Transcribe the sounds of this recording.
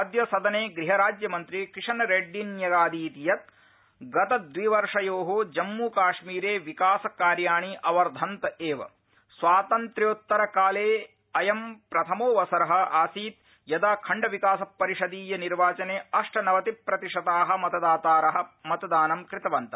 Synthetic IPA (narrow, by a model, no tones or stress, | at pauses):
ɐd̪jɐsɐd̪ɐneːɡɾiɦɐɾaːd͡ʒjɐmɐnt̪ɾikɾiʂɐnɾeːɖːinjɐɡaːd̪iːt̪ijɐt̪̚ | ɡɐt̪ɐd̪ʋiːʋɐɾʂɐjoːɦod͡ʒɐmːuːkaːʂmiːɾeːʋikaːsɐkaːɾjaːɳiʔɐʋɐɾd̪ʱɐnt̪ɐeːʋɐ̰ | sʋaːt̪ɐnt̪ɾjoːt̪ːɐɾɐkaːleː | ɐjɐmpɾɐt̪ʰɐmoːʋɐsɐɾɐɦɐ̆ʔaːsiːt̪̚ | jɐd̪aːkʰɐɳɖɐʋikaːsɐpːɐɾiʂɐd̪iːjɐniɾʋaːt͡ʃɐneːɐʂʈɐnɐʋɐt̪ipɾɐt̪iʂɐt̪aːɦɐ̆mɐt̪ɐd̪aːt̪aːɾɐɦɐmɐt̪ɐd̪aːnɐmkɾɪt̪ɐʋɐnt̪ɐ